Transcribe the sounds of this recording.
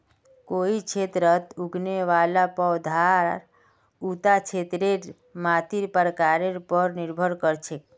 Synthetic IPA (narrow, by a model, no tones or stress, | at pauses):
koit͡ʃʰet̪ɾət̪uɡneʋalapɔwd̪ʱaɾ | ut̪at͡ʃʰet̪ɾeɾ | mat̪iɾpəɾəkaɾeɾpəɾniɾbʱəɾkəɾt͡ʃʰek